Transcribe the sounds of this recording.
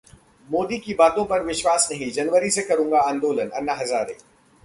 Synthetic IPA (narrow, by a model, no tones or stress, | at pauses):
moːd̪ikibaːt̪õpɐɾʋɪʃwaːsnɐɦĩd͡ʒɐnʋəɾisekɐɾũːŋɡaãːnd̪oːlənɐ̰nːaɦɐzaːɾeː